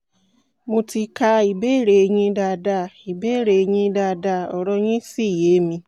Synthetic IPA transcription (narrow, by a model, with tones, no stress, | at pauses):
mo˧ti˧ka˧i˨be˦˨ɾe˨˧ɲĩ˧da˧da˧˨i˨be˦˨ɾe˨˧ɲĩ˧da˧da˧˨ɔ˨ɾɔ˧ɲĩ˦si˦˨je˨˦mĩ˧